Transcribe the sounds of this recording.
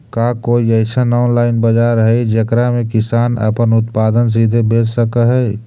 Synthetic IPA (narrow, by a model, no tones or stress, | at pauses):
kakoːiɛɪsanaːnlaːɪnbəd͡ʒaɾəɦɛd͡ʒəkɾamẽkɪsaːnə̰pənʊt̪paːd̪əns̬id̪ʱebeːd͡ʒsəkəɦɛː